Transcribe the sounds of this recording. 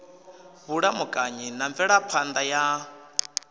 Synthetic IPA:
βuɺamukʼaɲinaɱvɛɺapʰand̪aja

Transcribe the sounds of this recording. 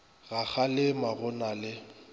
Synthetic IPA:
ɣak͡xʰalɪmaɣʊnalɪ

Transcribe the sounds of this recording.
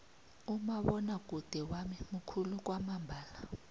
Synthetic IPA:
umaɓɔnak̬ʼud̥ʱɛwamimukʰuluk̬ʼwamambʱaːla

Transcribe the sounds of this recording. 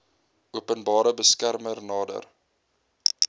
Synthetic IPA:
ʔuəpənbɑːɾəbəskærmərnɑːdə̰r

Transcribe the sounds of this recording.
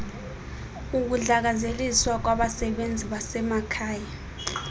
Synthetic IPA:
uk̬uɮak̬azeliswak̬waɓasɛɓend͡zʱiɓasɛmakʰaːja

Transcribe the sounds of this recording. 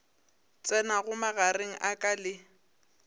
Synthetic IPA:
t͡sʼɛnaɣʊmaɣareŋ̩ʔakʼalɪ

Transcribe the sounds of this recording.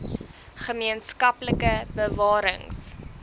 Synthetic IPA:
χəmiənskɐpləkəbəvɑːɾəŋs

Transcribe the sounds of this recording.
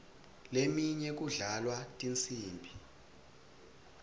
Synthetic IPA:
lemiɲɛk̬uɮalwatʼint͡sʰʼiːmbʱi

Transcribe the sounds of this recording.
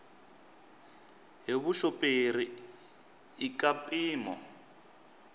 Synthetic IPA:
ɦiβuʃɔpʼeɾi | ikʼapʼiːmɔ̰

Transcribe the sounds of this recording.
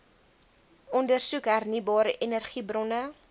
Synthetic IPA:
ɔndərsukɦærnibɑːɾəʔenərχibrɔnə

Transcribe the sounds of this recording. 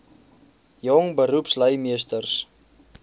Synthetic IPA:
jɔŋbəɾupsləjmiəstərs

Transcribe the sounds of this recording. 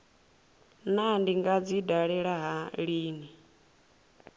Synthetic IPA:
nandiŋɡad͡zidaɺɛɺaɦaɺiːni

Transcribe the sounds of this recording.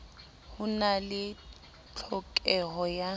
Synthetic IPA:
hʊnalɪ | t͡ɬʰɔkʼɛɦɔja

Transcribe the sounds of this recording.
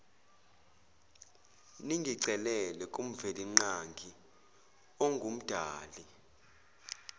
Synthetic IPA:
niŋɡʱiǀɛlɛlɛkʼum̩veliŋ͡ǀaŋɡʱi | ɔŋɡʱum̩d̥ʱaːli

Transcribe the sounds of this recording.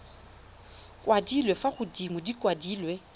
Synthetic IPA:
kʼwʔadilwɛfaχʊdimʊdikwadiːlwe

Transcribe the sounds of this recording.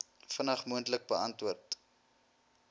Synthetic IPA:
fənɐχmuəntlək̚bəɐntvuərt

